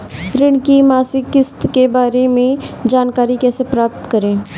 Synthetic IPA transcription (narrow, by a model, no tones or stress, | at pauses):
ɾɪɳkimaːsɪkːɪst̪kebaːɾemẽd͡ʒaːnkaːɾikɛːsepɾaːp̚t̪kəɾẽː